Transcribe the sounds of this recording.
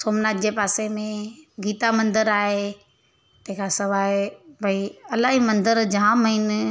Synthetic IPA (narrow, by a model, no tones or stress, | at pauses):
soːmnaːt̪̚d͡ʑepaːsemẽɡiːt̪amɐ̃nd̪əɾaːɦe | t̪ɐ̃ɦɪ̃kʰasɐʋaːbʱɐiɐlaːɦimɐ̃nd̪əɾd͡ʑɐɦãməin